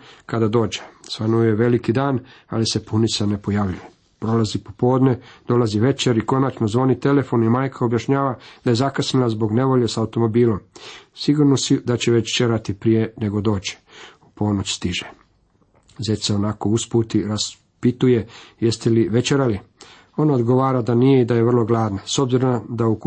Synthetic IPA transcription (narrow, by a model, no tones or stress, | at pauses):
kad̪ad̪o̞ːd͡ʒe̥sʋanujeʋe̞likid̪aːna̰lise̞punisane̞po̞jaʋʎuje | pɾolazipopo̞ːd̪ned̪̥o̞laziʋe̞t͡ʃeɾiko̞nat͡ʃno̞zʋo̞nit̪e̞le̞fo̞nimaːjkʰao̞bjaʃɲaːʋad̪aje̞zakasnilazbo̞ɡne̞ʋo̞ʎe̞saut̪o̞mo̞biːlo̞msiɡuɾnosid̪at͡ɕeʋet͡ɕt͡ʃeɾat̪ipɾije̞ne̞ɡo̞d̪o̞ːt͡ɕi̥upo̞not͡ɕst̪iʒe | zeseo̞nako̞usput̪iɾas | pit̪uje̞je̞st̪eliʋe̞t͡ʃeɾali | o̞nao̞d̪ɡo̞ʋaːɾad̪anijeid̪ajeʋr̩lˠo̞ɡlaːd̪naso̞bziɾond̪auk